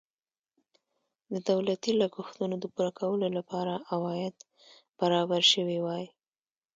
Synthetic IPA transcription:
d̪əd̪awlat̪ilaɡuxt̪unod̪əpuɾakʰawəlolapɑɾaʔawɑjɪd̪ | b̥aɾɑbaɾʃəwiwɑj

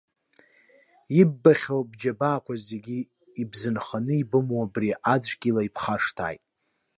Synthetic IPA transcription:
ibːaχʲowbd͡ʒabaːkʷazeɡʲi | ibzɨnχanɨibɨmwabriʔad͡zʷʰɡʲilaipʰχaʂtʰa̰ːjtʼ

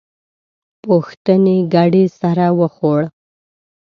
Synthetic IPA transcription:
puxt̪əniɡaɽisaɾawəxoɽ

